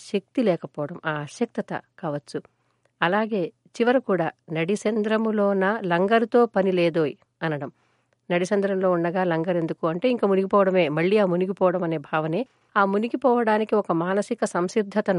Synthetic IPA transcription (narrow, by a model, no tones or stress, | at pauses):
ʃɐk̚t̪ilɛːkɐpɔːɐɽɐmaːʃjɐk̚t̪ɐt̪ɐ̰kaːʋɐt͡ʃːu | ɐlaːɡe̞ː | t͡ʃiʋɐɾukuːɽaːnɐɽisɐnd̪ɾɐmloːnɐlɐŋɡɐɾt̪o̞ːpɐnileːd̪oːji | ɐnɐɽɐm | nɐɽit͡ʃɐnd̪ɾɐmlo̞ːuɳːɐɡaːlɐŋɡɐɾe̞nd̪ukuːɐɳʈe̞ːiŋkaːmuniɡipɔːʋɐɽɐme̞ːmɐɭːiːaːmuniɡipɔːʋɐɽɐmɐne̞ːbʱaːʋɐne̞ː | aːmuniɡipɔːʋɐɽaːnikiɔkɐmaːnɐsikɐsɐmsid̪ʱːɐt̪ɐn